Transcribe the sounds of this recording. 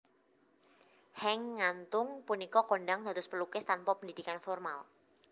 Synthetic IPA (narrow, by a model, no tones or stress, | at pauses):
hɛŋːant̪ʊŋpunikɔkɔnɖaŋd̪̥a̤t̪ʊspəlukɪst̪anpɔpənd̪id̪̥ikanfɔrmal